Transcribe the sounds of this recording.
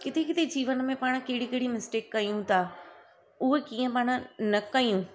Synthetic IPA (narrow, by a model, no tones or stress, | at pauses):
kɪt̪ʰekɪt̪ʰed͡ʑiːʋən̆mẽpaːɽ̃̆keɦɪɽikɪɦɪɽimɪsʈeːkːɐjũt̪ʰaː | ʊɦekiːə̃paːɽ̃ʊ̆nɐkɐjũ